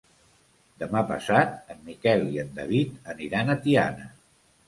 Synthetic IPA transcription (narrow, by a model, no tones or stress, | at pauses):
d̪əmapə̰sat̪̚əmːikɛlˠiənd̪əβit̪əniɾanət̪ia̰nə